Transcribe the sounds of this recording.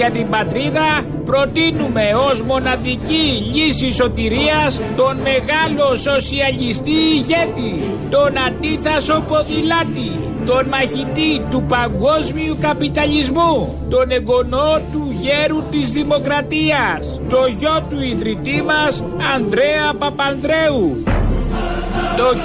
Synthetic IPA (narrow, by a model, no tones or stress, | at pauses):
ʝɐt̪imbɐt̪ɾiðɐ | pɾo̞t̪inume̞o̞zmo̞nɐðiciʎisiso̞t̪iɾiɐs | t̪o̞nme̞ɣɐlo̞so̞siɐʎist̪iːʝe̞t̪i | t̪o̞nɐnd̪iθɐso̞po̞ðilɐt̪i | t̪o̞nmɐçit̪it̪upɐŋɡo̞zmiukɐpit̪ɐʎizmu | t̪o̞ne̞ɡo̞not̪uʝeɾut̪izðimo̞kɾɐt̪iɐs | t̪o̞ʝo̞t̪uiðɾit̪imɐs | ɐnd̪ɾe̞ɐpɐpɐnðɾe̞u | t̪o